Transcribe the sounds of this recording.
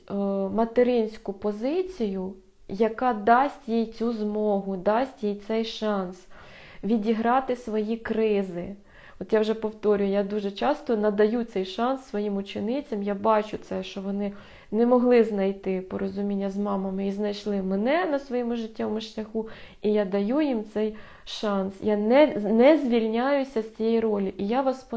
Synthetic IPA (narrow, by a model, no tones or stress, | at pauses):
mɐt̪eɾɪnʲsʲkʊpɔzɪt͡sʲijʊ | jɐkɑd̪ɑsʲtʲjijt͡sʲuzmɔɦʊd̪ɑsʲtʲjijt̪sɛjʃɑns | ʋʲidʲiɦɾɑt̪ɪsʋɔjikɾɪzɪ | ɔt̪jawʒɛpɔwt̪ɔɾʲʊjʊjad̪uʒɛt͡ʃɑst̪ɔnɐd̪ɐjut̪sɛjʃɑnsːʋɔjimʊt͡ʃɪnɪt͡sʲɐmjabɑt͡ʃʊt̪sɛʃt͡ʃɔʋɔnɪ | nɛmɔɦlˠɪznɐjt̪ɪpɔɾɔzʊmʲinʲːɐzmɑmɐmɪiznɐjʃlˠɪmɛnɛnɐsʋɔjɛmʊʒɪtʲːɐʋɔmʊʃlʲɐxuijad̪ɐjujimt̪sɛj | ʃɑnsjanɛnɛzʲʋʲilʲnʲajʊsʲɐsʲtt͡sʲijɛjrɔlʲiʔijaʋɑspɔ